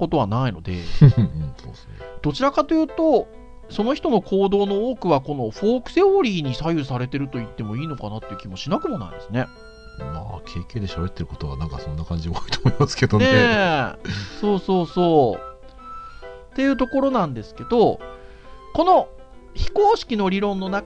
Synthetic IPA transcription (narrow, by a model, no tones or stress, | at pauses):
ko̞t̪o̞βanaino̞d̪e̞̰ɯ̃so̰ːs | ed̪̥o̞t͡ɕiɾakat̪o̞jɯ̟ːt̪o̞ | so̞no̞çi̥t̪o̞no̞kʰo̞ːd̪o̞ːno̞oːkɯ̟βako̞no̞ɸo̞ːkɯ̥se̞oɾʲiːɲ̟isajɯ̟saɾe̞t̪e̞ɾɯ̟t̪o̞it̪ːe̞mo̞iːno̞kanat̪ːe̞jɯ̟kʲimo̞ɕinakɯ̟mo̞na̰ḭd̪esɨne̞ | ma̰kʰe̞ːke̞ːd̪e̞ɕabe̞t̪ːe̞ɾɯ̟kot̪oβa̰nãŋka̰sõ̞nːakãɲ̟d͡ʑiooi̥t̪omoimasɨ̥ke̞d̪onee | so̞ːso̞ːso̞ː | t̪e̞jɯ̟ːt̪o̞ko̞ɾo̞nãnd̪e̞sɨ̥ke̞d̪o̞ | ko̞no̞ | çi̥koːɕi̥kʲino̞ɾʲiɾõ̞nːo̞na